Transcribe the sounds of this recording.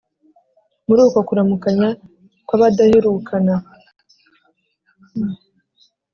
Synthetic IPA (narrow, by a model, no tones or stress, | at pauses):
muɾuːkokuɾamukaɲa | kwaβadaheɾukʰana